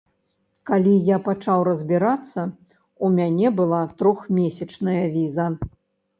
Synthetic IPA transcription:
kalʲijapat͡ʂawɾɐzʲbʲiɾat̪sːɐ | umʲanʲɛbɨlˠat̪ɾɔxmʲesʲɐt͡ʂnɐjɐvʲizɐ

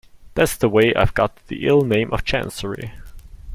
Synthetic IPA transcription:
ðætsðəweɪʔa̰ɪvɡɑt̪̚ðḭʔɪlˠnẽɪ̃mʔʌv̥t͡ʃʰæ̰̃nsə˞ḭ

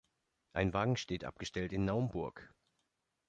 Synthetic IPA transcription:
ʔaɪnvaːɡŋ̩ʃteːtʔa̰p̚ɡ̥əʃtɛltɪnːaʊəmbʊɐk

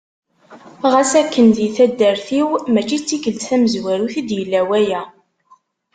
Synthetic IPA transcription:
ʁæsækːənd̪iθæd̪ːæɾθiwmæt͡ʃːit͡sːikəlt̪θæməzwæɾuθid̪jəlːæwæjæ

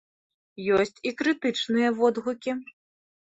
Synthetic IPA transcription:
jɔsʲt͡sʲikɾɨt̪ɨt͡ʂnɨjɐvɔd̪ɣukʲi

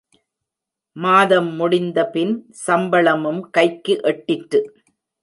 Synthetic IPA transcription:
maːðɐmːʊɽɪnd̪ɐpɪn | sɐmbɐɭɐmɯmkɐɪkːɯʔɛʈːɪʈɾɯ

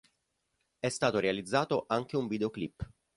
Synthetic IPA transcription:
ɛst̪aːt̪oɾealid̪zːaːt̪oʔaŋk̟euɱvid̪eoklipː

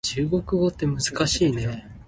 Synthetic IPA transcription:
t͡ɕɨːɡo̞kɯ̟ɡo̞t̪ːe̞mɯ̟zɨkaɕiːne̞

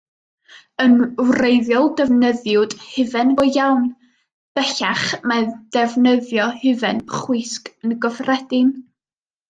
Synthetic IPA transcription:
ənwrejðjɔlˠdɛvnəðjʊd̥hɪvɛnbɔjawn | b̥ɛɬaχmad̥ɛvnəðjɔhɪvɛnχwɪskənɡɔvrɛdɪn

